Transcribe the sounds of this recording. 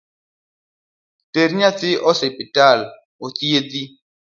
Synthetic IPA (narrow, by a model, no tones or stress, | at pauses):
teɾiɲat͡sɪʔɔsepital | otiedi